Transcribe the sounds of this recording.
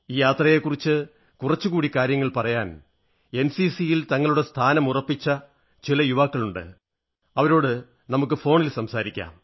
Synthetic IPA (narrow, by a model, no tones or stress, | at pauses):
iːjaːt̪rɐje̞kːurit͡ɕːɨ | kurɐt͡ɕːɨkuːɽikaːɾjɐŋːɐɭpɐrɐjaːn | e̞nsisijilt̪ɐŋːɐɭuɽest̪ʰaːnɐmurɐpːit͡ɕːɐ | t͡ɕilɐjuʋaːkːɐɭuɳɖɨ̰ | ɐʋɐɾo̞ːɽɨ | nɐmuk̬ːɨfo̞ːɳilsɐmsaːɾikʲːa̰ːm